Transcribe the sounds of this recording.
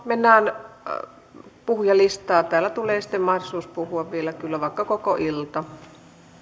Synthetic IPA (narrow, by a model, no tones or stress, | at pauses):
menːæːn | puhujɑlist̪ɑːt̪æːlːˑæt̪uleːsi̥t̪ːemmɑhdosuːspuhuɑʋʋielækylːæʋɑˑikːɑkokoʔilt̪ɑ